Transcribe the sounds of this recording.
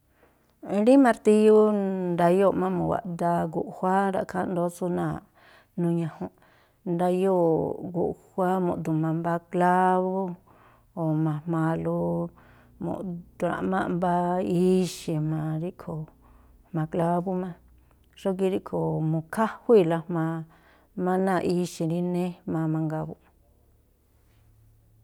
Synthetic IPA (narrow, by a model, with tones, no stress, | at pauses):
ɾi˦mã˧ɾt̪i˧ju˦nd̪a˧jo˦˨mã˦mũ˨wa̰˨ʔ̪d̪a˧ɡu˨ʔhʷa˦ɾa̰˨kʰã˦nd̪o˦t͡su˧nã̰˧˨ | nũ˧ɲã˧hũ˧ | nd̪a˧jo˦ɡṵ˨ʔhʷa˦mõ̰˧˨d̪u˨mã˧mba˧kla˦βo˦ | o˨mã˧mmã˧lu˧ | mõ̰˨ʔt̪u˨˧ɾã̰˨mã̰˦ʔmba˦i˦ʃi˧mã˨˧ɾi˦ʔkʰo˨ | hmã˧kla˦βu˦mã˧ | ʂo˦k̬i˧ɾi˦ʔkʰo˨mũ˧kʰa˦hu˦i˦˧la˧mmã˧ | mã˦nã˦˧˨ʔi˦ʃĩ˧ɾi˦nẽ˦mã˧mã˧ŋɡa˧βu˧